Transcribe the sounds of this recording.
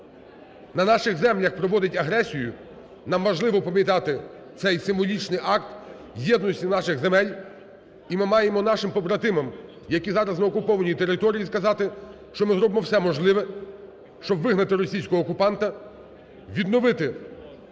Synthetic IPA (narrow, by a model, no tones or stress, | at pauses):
nɐnɑʃɪɣzɛmlʲɐxpɾɔʋɔd̪ɪtʲɐɦɾɛsʲijʊ | nɑmʋɐʒlˠɪʋɔpɐmʲjit̪̬ɑt̪ɪ | t̪sɛjsɪmʋɔlʲit͡ʃnɪjʔɑk̚t̪ | jɛd̪nɔsʲtʲinɑʃɪɣzemɛlʲ | imɪmɑjemɔnɑʃɪmpɔbɾɐt̪ɪmɐm | jɐkʲizɑɾɐznɐɔkʊpɔʋɐnʲijit̪eɾɪt̪ɔɾʲijiskɐzɑt̪ɪ | ʃt͡ʃɔmɪzɾɔbɪmɔwsɛmɔʒlˠɪʋɛ | ʃt͡ʃɔbʋɪɦnɐt̪ɪɾɔsʲijsʲkɔɦɔːkʊpɑnt̪ɐ | ʋʲid̪nɔʋɪt̪ɪ